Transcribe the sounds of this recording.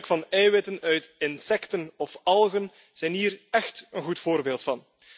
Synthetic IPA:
kfɑnɛjwɪtənœɥtɪnsɛktənɔfɑlˠɣən | z̥ɛjnɦiːrɛxtənɣutfoːrbeːlˠtfɑn

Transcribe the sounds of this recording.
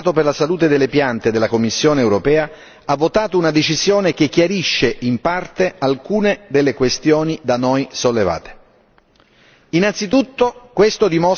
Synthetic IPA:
t̪operlasaluːt̪ed̪elːepjant̪ed̪elːakomːisːjoːneːwɾopɛːa | avːot̪aːt̪ounad̪et͡ʃizjoːnek̟ekːjaɾiʃːeʔimpart̪ealkuːned̪elːekwest̪joːnid̪anojsolːeva̰ːt̪e̥ | inant̪sit̪ut̪ːokwest̪od̪imo

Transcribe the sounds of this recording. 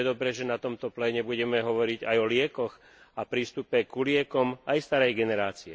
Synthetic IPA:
d̪ɔbɾɛʒɛnat̪ɔmt̪ɔplɛɲɛbuɟɛmɛɦɔʋɔɾiɟajɔlɪɛkɔx | apɾiːst̪upɛkulɪɛkɔmajst̪aɾɛjɡɛnɛɾaːt͡siɛ

